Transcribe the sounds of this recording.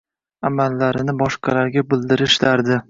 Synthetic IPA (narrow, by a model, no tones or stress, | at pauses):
amalːaɾɪnɪbɒʃqʰɑlaɾɡʲabɪld̪ɪɾɪʃlaɾd̪ɪ